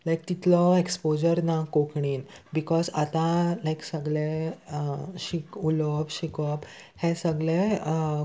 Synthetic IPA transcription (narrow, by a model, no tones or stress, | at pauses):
lajk̚t̪it̪lɔekspod͡ʑəɾnakokɳiːnbikɔzat̪ãlajksəɡɭe | ɕikulɔpɕikɔp | hẽsəɡɭẽ